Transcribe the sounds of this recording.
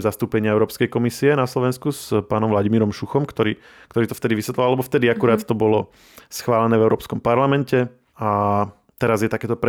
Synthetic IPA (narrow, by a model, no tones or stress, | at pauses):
zast̪uːpɛɲɪaɛʊɾɔːpskɛjkɔmisiɛnaslɔʋɛnskuspaːnɔmʋlaɟimiːɾɔmʃuxɔmkt̪ɔɾiː | kt̪ɔɾiːt̪ɔft̪ɛd̪iʋisʋɛt̪lilalɛbɔft̪ɛd̪iakuɾaːt̪t̪ɔbɔlɔ | sxʋaːlɛnɛːvɛʊɾɔːpskɔmpaɾlamɛncɛ | a | t̪ɛɾazjɛt̪akɛːt̪ɔpɾ